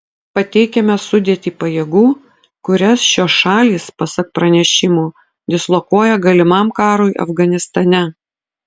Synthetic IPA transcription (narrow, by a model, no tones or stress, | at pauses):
pɐt̪ʲɛɪkʲɛmʲɛsʊd̪ʲeːt̪ʲiːpɐjeːɡuː | kʊɾʲɛsʃʲoːsʃɑːlʲiːspɐsɐk̚pɾɐnʲɛʃʲɪmuː | d̪ʲɪslˠɔkuɔjɛɡɐlʲɪmɐmkɑːɾoːɪʔɐ̰fɡɐnʲɪst̪ɐnʲɛ